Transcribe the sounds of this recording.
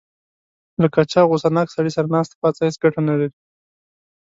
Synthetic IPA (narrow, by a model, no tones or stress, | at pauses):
lakat͡ʃaɣosanɑksaɽisaɾanɑst̪e̥pɑt͡sahet͡sɡaʈanalaɾi